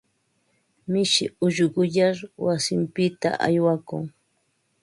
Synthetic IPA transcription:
mɪʃɪ̰ʊʒɢʊʎaɾwasɪmpɪt̪a̰ʔa̰jwakʊŋ

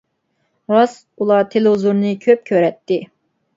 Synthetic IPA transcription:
ʁɑs | ulˠɑɾt̪ʰelɪuzuɾnɨkʲʰøp̚kʲʰøɾɛt̪ːɪ

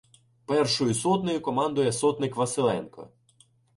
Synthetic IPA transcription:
pɛrʃɔjʊsɔt̪nɔjʊkɔmɑnd̪ʊjɛsɔt̪nɪkʋɐsɪlˠɛ̰nkɔ̰

